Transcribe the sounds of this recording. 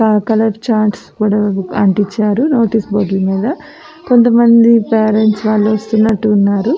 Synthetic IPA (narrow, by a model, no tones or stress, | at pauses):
kaːkɐlɐɾt͡ʃaːɳʈskuːɽaːɐɳʈit͡ʃːaːɾunoːʈiːsboːɖlumiːd̪ɐ | ko̞nt̪ɐmɐnd̪ipeːɾeɳʈsʋaːɭːuʋɐst̪unːɐʈːuːnːaːɾu